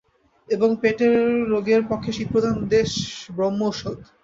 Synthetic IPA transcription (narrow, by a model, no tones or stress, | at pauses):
eboŋpeʈeɾːoɡeɾpokʰːeʃit̪̚pɾod̪ʱand̪eʃbɾomːooʃod̪